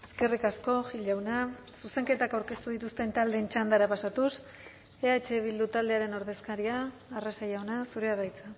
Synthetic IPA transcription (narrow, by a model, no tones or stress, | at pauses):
e̞ske̞rikasko̞ʝiʎawna | suse̞ŋke̞t̪akawɾke̞st̪uð̞it̪ust̪e̞nt̪ald̪e̞ːnt͡ʃand̪aɾapasat̪us | eat͡ʃe̞β̞ild̪ut̪ald̪e̞aɾe̞noɾðe̞skaɾiaːresajawnasuɾe̞arajt͡sa